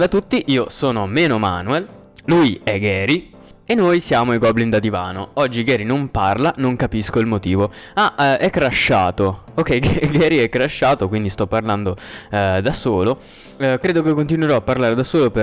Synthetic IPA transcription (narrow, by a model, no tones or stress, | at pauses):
d̪at̪ːut̪ːiʔiːosoːnomeːnoma̰ːnuɛl | lujɛɡɛːɾi | enːojsjaːmoeɡɔblind̪ad̪ivaːnoɔd͡ʒːiɡɛːɾinomparlanoŋkapiskoilmot̪iːvoaɛkːɾaʃːaːt̪o | okːɛjɡɛɡɛːɾiɛkːɾaʃːaːt̪okwind̪ist̪ɔpːarland̪od̪asoːlo | kɾeːd̪okekːont̪̬inweɾɔapːarlaːɾed̪asoːlope